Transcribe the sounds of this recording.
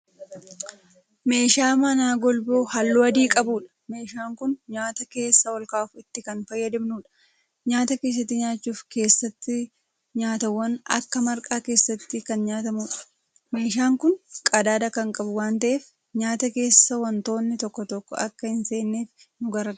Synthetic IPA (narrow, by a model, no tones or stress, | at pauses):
me̞ːʃaːmɐnaːɡɔlboːhɐlːuːɐd̪iːkʼɐbuːᶑɐ̥me̞ːʃaːŋkʊnɲaːt̪ɐke̞ːsːɐwɔlkaːfɪt̪ːɪkɐnfɐjːɐd̪ɪmnuːᶑɐ̥ | ɲaːt̪ɐke̞ːs̬ːɐt̪ːɪɲaːt͡ʃːuːfke̞ːsːɐt̪ːɪ | ɲaːt̪ɐwːɐnɐ̰kːɐmɐɾkʼaːke̞ːsːɐt̪ːɪkɐnɲaːt̪ɐmuːᶑɐ̥ | meːʃaːŋkʊnkʼɐd̪aːd̪ɐkɐŋkʼɐbʊwaːnt̪ɐʔeːf | ɲaːt̪ɐke̞ːsːɐwɐnt̪o̞ːnːɪt̪ɔkːɔt̪ɔkːɔ̰ʔɐkːɐhɪnse̞ːnːeːf | nʊɡɐɾɐ